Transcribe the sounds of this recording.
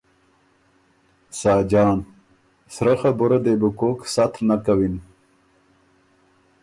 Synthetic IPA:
saːd͡ʑɑːn | sɾɐxabuɾad̪ebukoksat̪ʰɾnakawin

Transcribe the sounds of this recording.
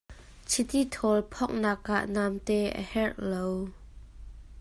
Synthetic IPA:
t͡sʰit̪it̪ʰɔlpʰɔk̚naːkʔa̰ʔnamt̪ɛʔə̰hɛʔlow

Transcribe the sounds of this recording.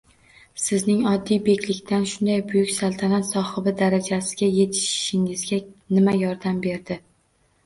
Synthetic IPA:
sɪznɪŋɒd̪ːijbe̞kʲlɪkʲt̪ʰanʃʊnd̪ajbʊjʊkʲsalˠt̪ʰanat̪sɒhɨbɪd̪aɾad͡ʒasɪɡʲaje̞t̪ʰɪ̥ʃʃɪŋɪzɡʲanɪmajɒɾd̪ambe̞ɾd̪ɪ

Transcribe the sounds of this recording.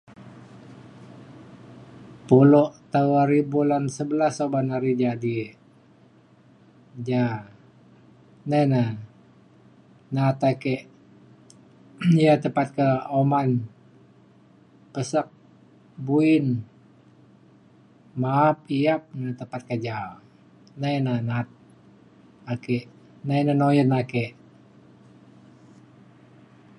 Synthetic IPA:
puloʔt̪auɾibulansəbəlasobanaɾid͡ʒadi | d͡ʒa | nana | nat̪akeʔ | jat̪əpat̪̚kəoman | pəsak̚ | buin | maːp̚iap̚nat̪əmpat̪̚kad͡ʒa | najnanat̪̚ | akeʔ | najnanojənakeʔ

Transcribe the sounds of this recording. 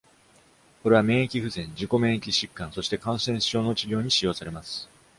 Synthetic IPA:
ko̞ɾe̞βamẽ̞ːekʲiɸɯ̟zẽ̞ɲ̟d͡ʑiko̞mẽ̞ːekʲiɕikːãso̞ɕi̥t̪e̞kãɰ̃sẽ̞ɰ̃ɕo̞ːno̞t͡ɕiɡʲo̞ːɲ̟iɕijo̞ːsaɾe̞masɨ̥

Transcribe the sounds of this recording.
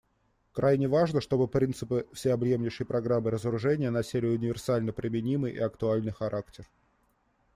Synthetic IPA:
kɾʔajnʲɪvaʐnəʂt̪o̞bɨpɾʲint̪sɨpɨfsʲɪɐbjemnʲɪʂəjpɾɐɡɾamːɨɾəzəɾʊʐɛnʲɪjənɐsʲelʲɪʊnʲɪvʲɪrsalʲnəpɾʲɪmʲɪnʲimɨjʔḭɐkt̪ʊalʲnɨjxɐɾaktʲɪr

